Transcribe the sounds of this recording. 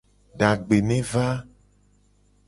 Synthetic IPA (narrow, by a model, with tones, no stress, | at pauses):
ɖa˨ɡ͡be˨nẽ˦va˦